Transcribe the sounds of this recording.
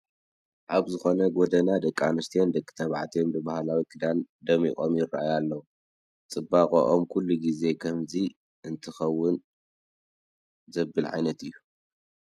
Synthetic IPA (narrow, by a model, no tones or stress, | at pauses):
ʔaβzɨxo̞nɐɡod̪ɐnad̪ɐkʼːanɨst̪ʰijo̞nd̪ɐkʼːɨ̥t̪ʰɐβaʕat̪ʰijombɨbahlawikʼɨd̪and̪ɐmikʼo̞mjɪrːa̰ʔajalːɐwu | t͡sʼɨbːakʼo̰ʔomkʰulːuɡize̞kʰɐmzi | ʔɨnt̪ʰɨxɐwːʊn | zɐbːɨlʕa̰jnɐt̪ɨjːu